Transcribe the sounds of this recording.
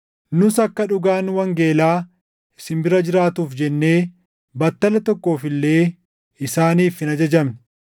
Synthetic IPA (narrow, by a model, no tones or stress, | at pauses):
nʊsɐkːɐᶑʊɡaːnwɐŋɡe̞ːlaː | ɪsɪmbɪɾɐd͡ʒɪɾaːt̪uːfd͡ʒɛnːe̞ː | bɐt̪ːɐlɐt̪ɔkːo̞ːfɪlːe̞ː | ɪsaːniːfɪnɐd͡ʒɐd͡ʒɐm